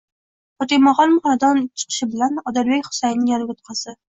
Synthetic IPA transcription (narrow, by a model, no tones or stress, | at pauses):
pɒt̪emɒʁɒlˠmʊχɒnad̪ɒnt͡ʃʰɨ̥qʰɨ̥ʃɪbɪlanɒd̪aɾbekʲχʊ̥sajnɪŋjaɾɡʲʊt̪̚qʰɑsɪ